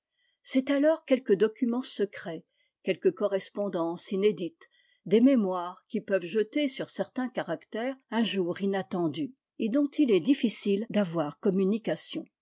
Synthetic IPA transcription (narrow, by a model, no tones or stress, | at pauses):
sɛt̪alɔʁkʲɛlkəd̪ɔkʲymɑ̃səkχɛ | kʲɛlkəkɔʁɛspɔ̃d̪ɑ̃sined̪it̪ | d̪ememwaʁkʲipœvʒət̪esyʁsɛʁt̪ɛ̃kaʁakt̪ɛʁɛ̃ʒuʁinat̪ɑ̃d̪y | ed̪ɔ̃t̪ilɛd̪ifisild̪avwaʁkɔmynikasjɔ̃